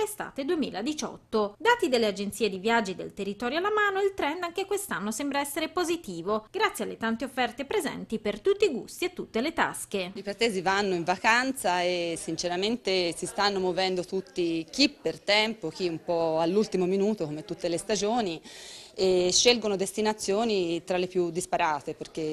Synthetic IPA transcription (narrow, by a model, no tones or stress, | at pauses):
lest̪a̰ːt̪ed̪uemḭːlad̪it͡ʃɔ̰t̪ːod̪aːt̪id̪elːead͡ʒent̪siːed̪ivjad͡ʒːid̪ḛlt̪erːit̪ɔːɾjoalːamaːnoilt̪ɾɛnd̪aŋk̟ekwest̪anːosɛmbɾaɛsːeɾepozit̪iːvoɡɾat̪sjalːet̪ant̪eofːɛrt̪epɾezɛ̰nt̪ipert̪ut̪ːiɡṵst̪iet̪ːut̪ːelet̪a̰skeipɾat̪ɛːzivanːoiɱvakant̪saesːint͡ʃeɾament̪esist̪anːomovɛnd̪ot̪ut̪ːik̟ipːert̪ɛmpok̟iumpɔalːult̪imominuːt̪okomɪt̪ːut̪ːelest̪ad͡ʒoːnieʃːelɡonod̪est̪inat̪sːjoːnit̪ɾalːepjud̪ːispaɾaːt̪eperk̟e